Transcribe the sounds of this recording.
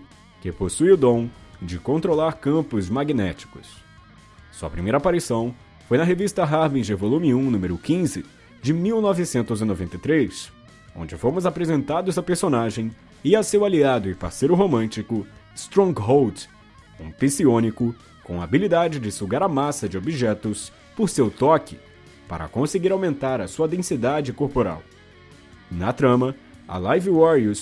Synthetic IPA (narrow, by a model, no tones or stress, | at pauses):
kɪposujʊd̪õw̃d͡ʒɪkõnt̪ɾolaɾkɐ̃mpʊzmaɡinɛt͡ʃi̥kʊ̰s | suɐ̰pɾimejɾɐapaɾisɐ̃w̃ | fojnɐɦevist̪ɐɦaɾvĩʒevolũmiũnũmeɾʊkĩzɪ | d͡ʒɪmiwnɔvɪsẽnt̪ʊzinovẽnt̪ejt̪ɾes | õnd͡ʒɪfomʊzapɾezẽnt̪ad̪ʊzɐpeɾsonaʒẽj̃ | ɪɐsewaliad̪ʊɪpa̰ɾsejɾʊɦomɐ̃t͡ʃikʊ | st̪ɾõŋɡɦowd̪ | ũpisiõnikʊ | kõɐabilid̪ad͡ʒɪd͡ʒɪsuɡaɾɐmasɐd͡ʒɪobiʒɛt̪ʊs | poɾsewt̪ɔkɪ | pa̰ɾɐ̰kõseɡiɾawmẽnt̪aɾɐsuɐd̪ẽsid̪ad͡ʒɪkoɾpoɾa̰w | nɐt̪ɾɐ̃mɐ | ɐ̰lajviwɔɾius